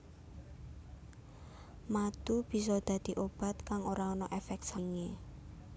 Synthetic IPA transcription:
mat̪ub̥i̤sɔd̪̥a̤d̪̥i̤ʔob̥a̤t̪̚kaŋoɾaɔnɔʔefɛk̚t̪saŋe

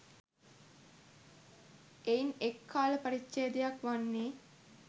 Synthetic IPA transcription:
einekːaːləpəɾitːʃejəd̪ejakʋanːeː

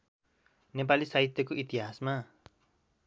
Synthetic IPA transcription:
nep̬alisaɦit̪jʌkoʔit̪iɦasma

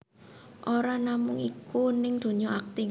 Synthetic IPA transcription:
ʔoɾanamʊŋikunɪŋd̪̥o̤ɲɔak̚t̪i

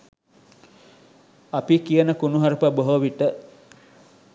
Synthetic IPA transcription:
apikijənəkunuɦaɾəpəboɦoʋiʈə

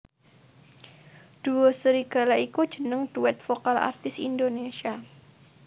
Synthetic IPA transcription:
d̥uɔsəɾiɡ̥a̤laiku̥d͡ʒ̥ənəŋd̥uɛt̪̚fokala̰rt̪ɪsḭndonesia

